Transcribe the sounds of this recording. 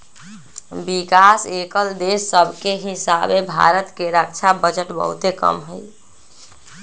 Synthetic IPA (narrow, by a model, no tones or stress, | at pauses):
bikasekəld̪esːəbʱkeɦisabebʱa̰ɾət̪keɾək̚t͡ʃʰabəd͡ʒəʈbə̰ɦṵt̪ekə̰mɦə̰j